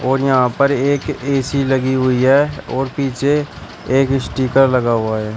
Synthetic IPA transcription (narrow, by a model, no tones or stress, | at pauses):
ɔːɾjɐɦãpɐɾeːkeːsilɐɡiɦʊiɦɛːɔːɾpiːt͡ʃʰe | eːkɪsʈiːkəɾlɐɡaɦʊaɦɛː